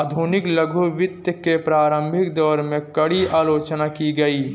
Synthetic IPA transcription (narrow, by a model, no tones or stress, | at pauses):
d̪ʱuːnɪkləɡʱuʋɪt̪jəkepɾaːɾə̃mbʱɪkd̪ɔːɾmẽkɐɽiaːloːt͡ʃnakiɡɐiː